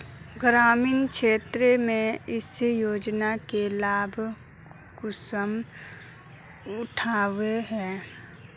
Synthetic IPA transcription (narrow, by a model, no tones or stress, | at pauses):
ɡɾaːmiːnkʃeːt̪ɾemẽɪsjoːd͡ʒnakelaːbʱ | kʊsəm | ʊʈʰaːʋeɦɛː